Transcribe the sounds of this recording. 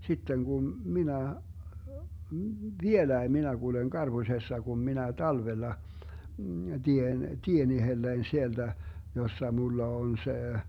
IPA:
sitːen ɡ̊um minæ ʋielæi minæ ɡ̊uleŋ ɡ̊ɑrb̥usesːɑ ɡ̊um minæ tɑlʋelːɑ d̥ien tien ihelːein sield̥æ josːɑ mulːɑ on se

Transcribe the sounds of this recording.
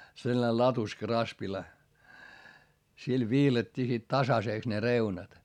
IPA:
selˑɑ̆ne lɑtuskɑ rɑspilɑ sil ʋiːlɑtʲːiː sit tɑsɑseˑks ne reunɑt

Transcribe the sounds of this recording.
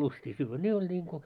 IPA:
lustiː syːʋːæ ne olʲ n̆iːŋko

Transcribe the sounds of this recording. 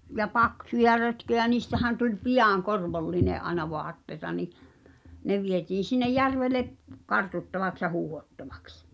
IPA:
jɑ pɑksujɑ røtkøjæ niːstæhæn tulʲ pijɑˑŋ korʋolːineʔ ʔɑenɑ ʋoɑtːeĭtɑ ni ne ʋietiːn̞ sinːej̆ jærʋeleʔ kɑrtutːɑʋɑks jɑ huːhotːɑʋɑ̥ks

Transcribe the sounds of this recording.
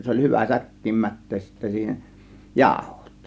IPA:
se olʲ hyʋæ sækːiːm mætːeːs sitːæ siːhen jɑˑo̝ho̥t

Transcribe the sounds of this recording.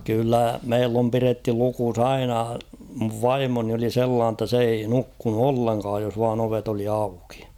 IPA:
kylːæ meilː om piretːy lukus ɑinɑ muʋ ʋɑimoni oli selːɑːn tːɑ s ei nukːunu olːeŋkɑːj jos ʋɑːn oʋet oli ɑuki̥

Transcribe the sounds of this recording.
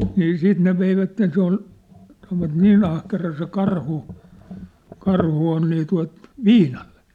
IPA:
niː siːt ne ʋeiʋætːen se ol sɑnoʋɑt niːn ɑhkerɑ se kɑrhu kɑrhu on niː tuɑ̝t ʋiːnɑl̥ːe̥

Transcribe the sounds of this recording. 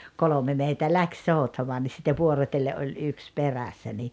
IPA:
kolome meitæ læks soˑutɑmoɑ nis sitːe ʋuorotʲelːeʔ ʔolʲ yks peræsːæ ni

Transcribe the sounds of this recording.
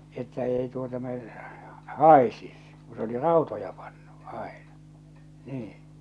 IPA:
etːæ ei tuotɑ me hɑˑesis ku s oli rɑˑotojɑ pɑnːu ɑˑenɑ niː

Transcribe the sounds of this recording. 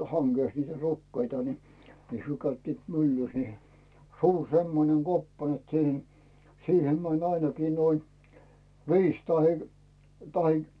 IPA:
hɑŋɡ̊eˑs niːtæ rukːeitɑ ni hyø kæytːiːt mylːys ni sur semːoneŋ ɡ̊opːɑ net siːhen siːhem mænʲ ɑinɑkiː noin ʋiːs tɑhe tɑhe

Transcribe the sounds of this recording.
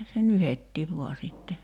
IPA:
se nyhetːiːʋ ʋoɑ sitːe

